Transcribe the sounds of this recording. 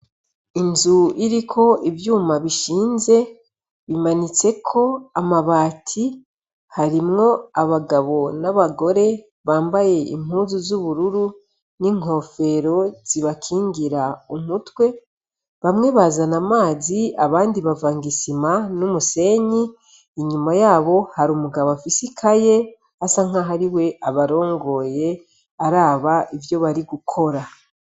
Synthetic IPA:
inzuiɾikʰo̞ibjuːmaβiʃiːnze̞ | βimanit͡se̞kʰo̞amaβaːtʰi | haɾimŋo̞aβaɡaβo̞naβaɡo̞ɾe̞ | βaːmbaje̞ʔḭm̥huːzuzuβuɾuɾu | niŋ̥o̞fe̞ɾo̞z̥iβakʰiːŋɡiɾaumutwe̞ | βamŋe̞βazanamaːziaβaːndiβavaːŋɡisimanumuse̞ɲiː | ɲumajaːβo̞haɾumuɡaβoafisikʰaje̞ | asaŋ̥aɦaɾiwe̞ʔaβaɾo̞ːŋɡo̞je̞ | aɾaːβaivjo̞βaɾiɡukʰo̞ɾa

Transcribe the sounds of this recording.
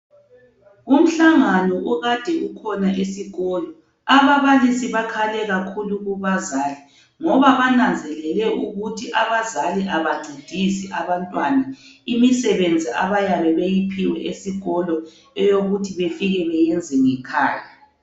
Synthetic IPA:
um̩ɬaŋanɔʔuɣad̥ʱɛukʰɔnaʔesiɣɔlɔ | aβaβalisiβakʰalɛɣakʰuluɣuβazali | ŋɔβaβanand͡zʱɛlɛlɛʔuɣutʰiʔaβazaliʔaβaɡ͡ǀʱid̥ʱisiʔaβantʼwanaimisɛβend͡zʱia̰βajaβɛβejipʰiwɛ̰ʔesiɣɔlɔ | ɛjoɣutʰiβefiɣɛβɛjɛnd͡zʱɛŋɛkʰa̰ːja

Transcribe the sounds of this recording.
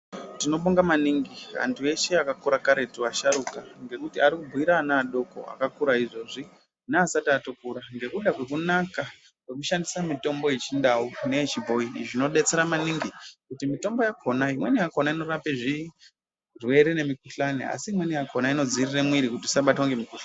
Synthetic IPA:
tino̞ɓoŋɡamaniŋɡira̰ntʰue̞ʃeakakuɾakaɾe̞tuwaʃaɾukaŋɡe̞kutiaɾikubʱuiɾanaːɗo̞ko̞̰a̰kakuɾaiʐo̞ːʐi | neasatatokuɾaŋɡe̞kuɗakwe̞kunaka | kwe̞k̬uʃandisamito̞mbo̞jet͡ʃindawune̞t͡ʃibʱo̞iʐino̞ɗet͡se̞ɾamaniŋɡikutimito̞mbo̞jakʰonaimwe̞nijakonaino̞ɾapeʐi | rwe̞ɾene̞mikuɬanḛa̰siːmwe̞nijakʰonaino̞d͡ziriremwiɾikutisaɓatwaŋɡe̞mikuɬa

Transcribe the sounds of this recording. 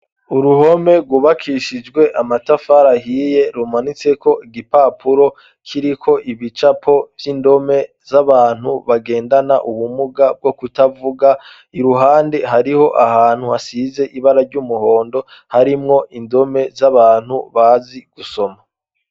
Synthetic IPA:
uɾuɦo̞me̞ɾɡwuβakʰiʃid͡ʒɡwe̞ʔamatafaɾahiːje̞ɾumanit͡se̞kʰo̞iɡipapʰuɾo̞ | kʰiɾikʰo̞ʔiβit͡ʃapʰo̞vjindo̞me̞ | zaβaːn̥huβaɡe̞ːndanaʔuβumuɡab̚ɡo̞kutavuɡa | iɾuɦaːndeɦaɾiho̞ʔahaːn̥huhasiːze̞ʔiβaɾaɾɟumuho̞ːndo̞ | haɾimŋo̞ʔindo̞me̞zaβaːn̥hṵβaziɡ̥uso̞ma

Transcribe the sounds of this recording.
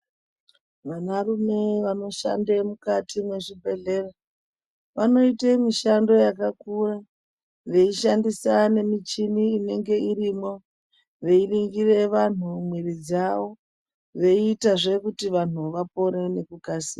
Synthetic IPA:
ʋanarume̞ʋano̞ʃa̰ndemukatʰimwe̞ʐibʱe̞ɮe̞ra | ʋano̞itemiʃando̞jakakura | ʋe̞iʃandisane̞mit͡ʃiniːne̞ŋɡe̞irimo̞ | ʋe̞iriŋɡire̞ʋan̤umwirid͡zaʋo̞ | ʋe̞iːtaʐe̞kutiʋan̤uʋapo̞ɾene̞kukasiːa

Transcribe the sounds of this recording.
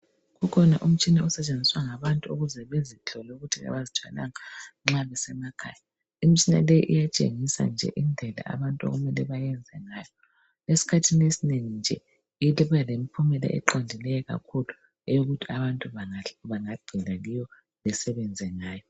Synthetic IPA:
ɣukʰɔnaʔum̩t͡ʃʰʼiniɔsɛt͡ʃʼend͡zʱiswaŋaβantʼuuɣuzɛβezit͡ɬʰɔlɛuɣutʰia̰βazit͡ʃʰʼa̰la̰ŋaŋ͡ǁaβɛsɛmakʰa̰ːja | im̩it͡ʃʰʼina̰lejiʔḭjat͡ʃʼḛŋisa̰nd͡ʒʱɛ̰ʔind͡ɮʱɛla̰ʔa̰βantʼuo̰ɣumɛlɛβajɛnd͡zʱɛŋaːjɔ | esi̥kʰatʰinesineŋind͡ʒʱɛ | ilɛβajalemipʰumɛla̰ʔɛ̰ǃandʱilɛjɛɣa̰kʰulu | ɛjoɣutʰiaβantʼuβaβaŋaɡ͡ǃ̥ʱɛlaɣijɔ | lɛsɛβɛnd͡zʱɛŋaːjɔ

